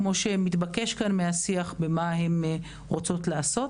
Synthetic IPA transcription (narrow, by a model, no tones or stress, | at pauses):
mo̞ʃemit̪bake̞ʃkanmehasiaχbemahe̞m | ʁot͡so̞tlaːso̞t